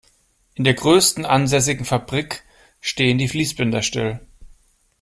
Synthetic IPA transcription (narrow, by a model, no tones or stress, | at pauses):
ʔɪndeːɐɡʁøːstn̩ʔanzɛs̬ɪɡŋ̩fabʁik | ʃteːəndiːfliːsb̥ɪndɐʃtɪ̰l